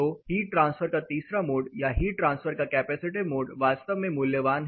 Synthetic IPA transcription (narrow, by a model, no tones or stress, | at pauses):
ohiːʈɾãnsfəɾkat̪isɾamoɽjaɦiːʈɾãnsfəɾkakɛpæsiʈ̬imoɽʋast̪əʋmemuljəʋan